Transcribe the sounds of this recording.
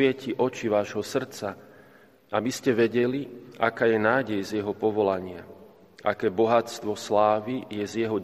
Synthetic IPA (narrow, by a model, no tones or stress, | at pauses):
ɪɛciʔɔt͡ʃiʋaːʒɦɔsr̩t͡sa | abiscɛʋɛɟɛlia̰kaːjɛnaːɟɛjzjɛɦɔpɔʋɔlaɲɪa̰ | ʔakɛːbɔɦat͡st̪ʋɔslaːʋijɛzjɛɦɔ